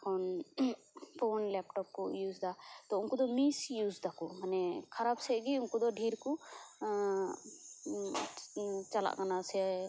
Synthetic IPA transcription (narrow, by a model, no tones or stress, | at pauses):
kʰɔn | ponlɛp̚ʈɔp̚kɔjuːzd̪at̪ɔunkud̪ɔmisjuːzd̪akumanɛkʰaɾabsɛɡiʊnkud̪ɔɖʱiɾku | t͡ʃala̰ʔkanasɛ